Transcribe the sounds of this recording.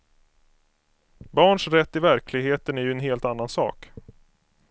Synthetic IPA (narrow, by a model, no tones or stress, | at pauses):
bɑːɳʂɾɛt̪ːɪvæɾkʰlɪɡɦheːt̪ənæɾjɵɛnɦeːlt̪anːansɑ̰ːk